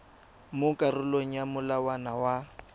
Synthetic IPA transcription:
mʊkʼarʊloŋ̩jamʊlawanawa

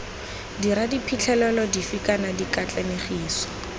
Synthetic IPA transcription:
diɾadipʰit͡ɬʰɛlɛlɔdifikanadikʼat͡ɬʼaneχiːsɔ̥

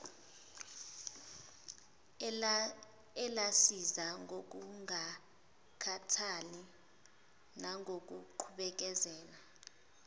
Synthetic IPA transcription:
ɛlasizaŋʱok̬uŋʱa | kʰatʰali | naŋʱok̬uǃʰuɓɛk̬ɛzɛːna

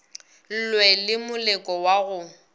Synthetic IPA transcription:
lwɛlɪmʊlɛkʼɔwaɣʊ

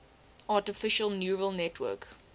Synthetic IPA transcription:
ɑːˑtəfɪʃəlˠnjuːɹəlˠnɛtʰwɜ̰ːk

